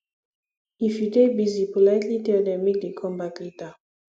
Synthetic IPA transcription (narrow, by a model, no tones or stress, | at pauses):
ifidebizipolatlitɛdɛmik̚dikʰɔmbatlita